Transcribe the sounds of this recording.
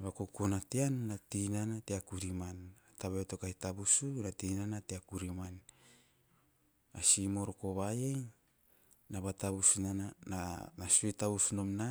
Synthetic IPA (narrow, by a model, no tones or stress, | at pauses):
βakokonateannatinanateakuɾimanataβeto̞kajtabusunatinanateakuɾiman | asimo̞ɾoko̞βajej | naβataβusunanananasuetaβusuno̞mna